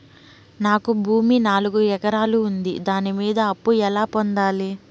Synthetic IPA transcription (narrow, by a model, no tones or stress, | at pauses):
naːkubʱuːminaːluɡuɛkɐɾaːluːnd̪id̪aːnimiːd̪ɐɐpːuɛlaːpond̪aːli